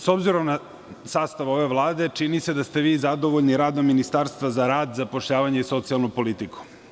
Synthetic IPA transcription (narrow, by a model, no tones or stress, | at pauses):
so̞bziɾomna | saːst̪aʋo̞ʋe̞ʋlˠaːd̪e̞t͡ʃinise̞d̪ast̪e̞ʋiːzad̪oʋoʎniɾaːd̪nominist̪aɾst̪ʋazaɾaːd̪zapoʃʎaːʋaɲeiso̞t̪sialˠnupo̞lit̪iku̥